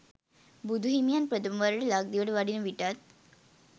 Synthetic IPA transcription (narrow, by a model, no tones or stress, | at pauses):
bud̪ʱuɦimjanpɾəd̪əmʋaɾʈlaɡ̚d̪iʋəɽʋaɽinəʋiʈat̪̚